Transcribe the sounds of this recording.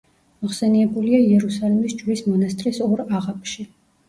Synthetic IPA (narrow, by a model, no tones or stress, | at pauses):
mɔχsɛniɛbuliaiɛɾusalɛmisd͡ʒwlismɔnast̪ʼɾisɔɾaʁapʰʼʃi